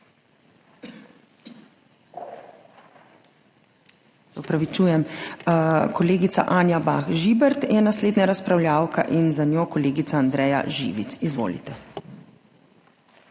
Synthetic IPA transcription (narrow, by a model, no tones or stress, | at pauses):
z̥ɔpɾaʋit͡ʃuːjɛm | kɔleːɡit̪sa̰ʔaːnjabaːxʒibɛɾt̪jɛnasleːd̪naɾaspɾawljaːwka̰ʔinzanʲjoːkɔleːɡit̪saːnd̪ɾɛːja̰ʒḭʋisizʋo̰ːlḭt̪ɛ